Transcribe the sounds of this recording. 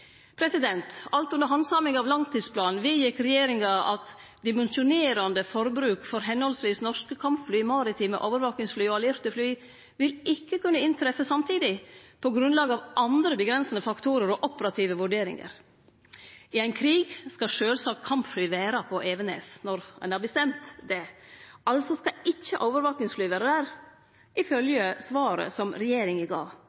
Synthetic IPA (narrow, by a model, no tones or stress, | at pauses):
pʰɾɛsɪd̪ɛnt̪ɑlt̪ʉnd̪əɾɦɑnsɑmɪŋɑʋlɑŋt̪iːd̪spʰlɑːnn̩ʋɪjɪkɾɛjeːɾɪŋɑɑ̰t̪ | d̪ɪmɛnʃʊneːɾɑnd̪əfɔɾbɾʉːkfɔɾɦɛnhɔlsʋiːsnɔʂkəkʰɑmpflyːɪmɑːɾɪt̪ʰɪːmɛ̰ʔoːʋəɾʋɑːknɪŋsflyːɔɑlɪɾt̪əflyː | ʋɪlɪkːəkʉnːəɪnt̪ʰɾɛfəsɑmt̪ʰiːd̪ɪpʰɔɡɾʉnlɑːɡəɑʋʔɑnd̪ɾəbəɡɾɛnsənəfɑkt̪ʰuːɾəɾɔʔɔpəɾɑt̪ʰiːʋəʋʉɖeːɾɪ̰ŋə̰ɾ | ɪæɪnkʰɾiːɡskɑʂøːlsɑːkkʰɑmpflyːʋæːɾɑpʰɔʔeːʋənḛːsnɔɾɛ̰nhɑɾbəst̪ɛmt̪d̪ɛʔɑlt̪sɔskɑɪçːəʔoːʋəɾʋɑːknɪŋsflyːʋeːɾəd̪æːɾ | ʔɪfœljəsʋɑːɾə̰sɔmɾɛjeːɾɪŋɪɡɑ̰ː